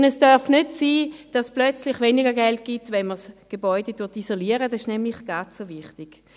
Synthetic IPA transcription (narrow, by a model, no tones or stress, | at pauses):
nɛsd̥œɐfnøtsiːd̥ɑsplœt͡slɪχveːniɡɐɡɛlt̚ɡ̥itvɛnməsɡ̥ebɔʏdedʊtisoliəʁədɑsɪʃnɛmlɪχɡ̥at͡ssovɪχtɪɡ̥